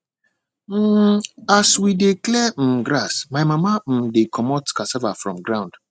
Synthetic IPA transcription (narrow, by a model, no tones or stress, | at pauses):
m̩aswideklɛm̩ɡɾasmaɪmamam̩dekʰɔmɔtkasɛvafɹɔ̰̃mɡɹãʊ̃nd̥